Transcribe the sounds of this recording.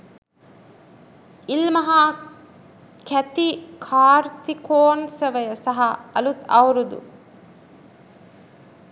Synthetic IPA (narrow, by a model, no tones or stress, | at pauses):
ilmɐɦaː | kæt̪ikʰaːɾt̪ikoːnsɐʋəjɐsɐɦɐɐlut̪ɐwɾud̪ṵ